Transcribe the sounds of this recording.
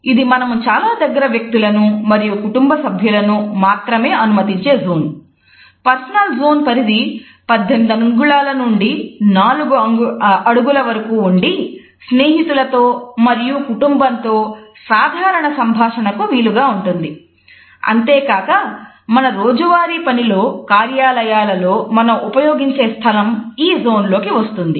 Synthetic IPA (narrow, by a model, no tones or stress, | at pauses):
id̪imɐnɐmut͡ʃaːlaːd̪ɐɡːɐɾɐʋjɐk̚t̪ilɐnumɐɾijukuʈumbɐsɐbʱjulɐnumaːt̪ɾɐme̞ːɐnumɐt̪iɲt͡ʃe̞ːzoːn | pɐɾsɐnɐlzoːnpɐɾid̪i | pɐd̪ʱːend̪ɐŋɡuɭaːlɐnuɳɖinaːluɡuɐɐɽuɡulɐʋɐɾɐkuːɳɖi | sne̞ːɦit̪ulɐt̪o̞ːmɐɾijukuʈumbɐnt̪o̞ːsaːd̪ʱaːɾɐɳɐsɐmbʱaːʂɐnɐkuʋiːluɡaːuɳʈund̪i | ɐ̰nt̪e̞ːkaːkɐ | mɐnɐɾoːd͡ʒuʋaːɾiːpɐnilo̞ːkaːɾjaːlɐjaːlɐlo̞ːmɐnɐmupɐjo̞ːɡiɲt͡ʃe̞ːst̪ʰɐlɐmiːzo̞ːnlo̞ːkiʋɐst̪und̪i